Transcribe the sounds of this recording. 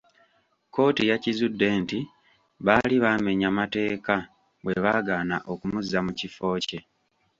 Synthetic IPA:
ko̞ːtijacizudːe̞ːnti | βaliβaːme̞ɲamate̞ːka | we̞βaːɡaːnaʔo̞kumuzːamucifo̞ːce̞

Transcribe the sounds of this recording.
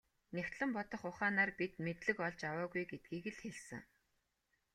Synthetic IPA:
new̥ʲt̪ɮɘ̆mpɔt̪ɞ̆χʊχaːnaːrpit̪met̪ɮɘ̆kɔɮt͡ɕawaːɣujɡet̪̚ɡiːɣɘ̆ɮxeɮsɘ̆ŋ

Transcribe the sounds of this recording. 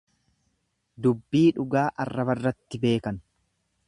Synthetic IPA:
d̪ʊbːiːᶑʊɡaːʔɐrːɐbɐrːɐt̪ːɪbe̞ːkɐn

